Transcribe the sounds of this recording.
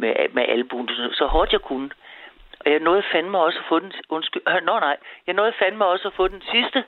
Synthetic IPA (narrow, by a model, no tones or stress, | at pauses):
memeʔælb̥un̥sosɒ̽hɒːd̥jɑ̈ɪkʰunəʔɒ̽jɑ̈nɔ̽ːð̩ˠfæn̰̥mɑ̈ɪɒ̽sæfɔ̽ːd̥enɔ̽nsɡ̥ylnonɑ̈ɪjɑnɔ̽ːð̩ˠfæn̥mɑ̈ɪɒ̽sæfɔ̽ːd̥ensisd̥ə